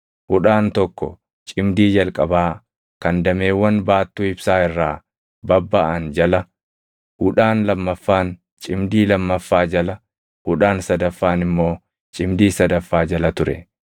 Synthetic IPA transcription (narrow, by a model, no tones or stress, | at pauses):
hʊᶑaːnt̪ɔkːɔ̰ | t͡ʃʼɪmd̪iːd͡ʒɐlkʼɐbaː | kɐnd̪ɐme̞ːwːɐnbaːt̪ːuːɪbsaːɪrːaː | bɐbːaːʔɐnd͡ʒɐlɐ | hʊᶑaːnlɐmːɐfːaːn | t͡ʃʼɪmd̪iːlɐmːɐfːaːd͡ʒɐlɐ | hʊᶑaːnsɐd̪ɐfːaːnɪmːo̞ː | t͡ʃʼɪmd̪iːsɐd̪ɐfːaːd͡ʒɐlɐt̪ʊɾɛ̰